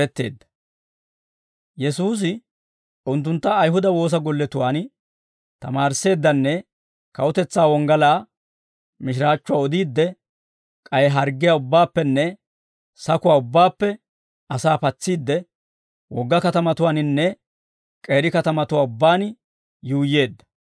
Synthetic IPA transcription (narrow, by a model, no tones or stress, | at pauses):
ɛt̪ːe̞ːd̪ːɐ̥ | jɛsuːs̬ɪ | ʊnt̪ːʊnt̪ːɐːjɦʊd̪ɐwo̞ːs̬ɐɡɔlːɛt̪ʊwaːn | t̪ɐ̰maːɾse̞ːd̪ːɐnːɛ | kɐwɔt̪ɛt͡sːaːwɔŋɡɐlaː | mɪʃɪɾaːt͡ʃːʊwaːɔd̪iːd̪ːɛ | kʼɐjɛɦɐɾɡːɪjaʊbːaːpːɛnːɛ | sɐkʊwaːʊbːaːpːɛ | ɐsaːpɐt͡sːiːd̪ːɛ | wɔɡːɐkɐt̪ɐmɐt̪ʊwaːnɪnːɛ | kʼe̞ːɾɪkɐt̪ɐmɐt̪ʊwaːʊbːaːn | juːjːe̞ːd̪ːɐ̥